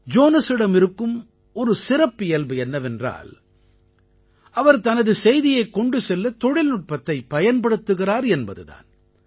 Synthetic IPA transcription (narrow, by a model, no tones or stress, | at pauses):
d͡ʒoːnɐsɪɽɐmɪɾɯkːɯm | ɔɾɯsɪɾɐpːɪjɐlbɯɛnːɐʋɛndra̰ːl | ʔɐʋɐɾt̪ɐnɐðɯsɛjðɪjɐɪkːɔɳɖɯsɛlːɐt̪ɔɽɪlnʊʈ̚pɐt̪ːɐɪpːɐjɐnpɐɽɯt̪ːɯɣɪɾaːɾɛnbɐðɯða̰ːn